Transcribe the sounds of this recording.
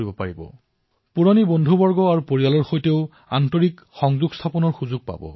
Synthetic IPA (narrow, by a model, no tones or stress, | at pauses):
ibɔpaɹibɔ̰ | puɹonibondʱubɔɹɡɔaɹupoɹijalɔɹxojteʊ | a̰ntoɹik | xɔŋzuɡst̪ʰapɔnɔɹxuzuɡ̚pa̰bɔ̰